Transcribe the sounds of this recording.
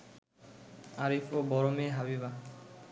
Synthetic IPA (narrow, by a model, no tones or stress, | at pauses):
aɾifobɔɾomeɦabiβa